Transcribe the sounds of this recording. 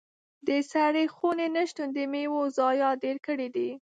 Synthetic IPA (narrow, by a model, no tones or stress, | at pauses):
d̪əsaɽexonenəʃt̪und̪əmewozɑjɑd̪eɾkəɽid̪i